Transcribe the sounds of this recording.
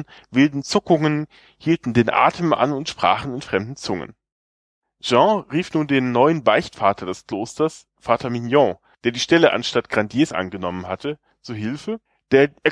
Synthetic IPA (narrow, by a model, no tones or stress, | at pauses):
vɪldn̩t͡sʊkʊŋən | hiːltn̩deːnʔa̰ːtʰəmʔa̰nʊntʃpʁ̥a̰ːχn̩ɪnfʁ̥ɛmdn̩t͡sʊŋə̰n | ʒ̥ɑ̃ʁiːfnuːndeːnːɔʏənbaɪçtfaːtʰɐdɛskl̥oːstɐs | faːtʰɐminjɔ̃ | d̥eːɐdiːʃtɛləʔa̰nʃtatɡ̥ʁandjeːsʔa̰nɡənɔmənɦatʰə | t͡suːɦɪlfə | d̥eːɐʔːɐ